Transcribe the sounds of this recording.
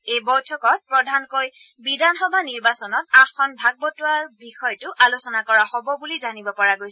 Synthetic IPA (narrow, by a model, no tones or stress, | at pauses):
ejbɔjtʰɔkɔt̚pɹɔdʱankoj | bidanxɔbʱaniɹbasɔnɔt̚axɔnbʱaɡ̚bɔtʊwaɹbixɔjtʊʔalusɔnakɔɹahɔbɔbulizanibɔpɔɹaɡojs